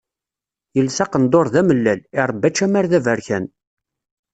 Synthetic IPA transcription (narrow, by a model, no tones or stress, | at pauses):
jəlsɑqənd̪ˤoɾˤðæməlːælɪɾˤbːæt͡ʃːæmæɾðævæɾçæn